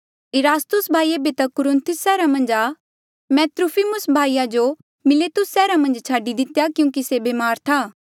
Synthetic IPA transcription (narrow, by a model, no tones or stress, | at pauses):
ɪɾaːst̪ʊsbʱaːiːebet̪ɐkʊɾɪ̃nt̪ʰʊsːɛːɾamɐ̃nd͡ʒa | mɛ̃ːt̪ɾʊpʰimʊsbʱaːijad͡ʒo | mɪleːt̪ʊsːɛːɾamɐ̃nd͡ʒt͡ʃʰaːɖid̪ɪt̪jakjũːkisebeːmaːɾt̪ʰaː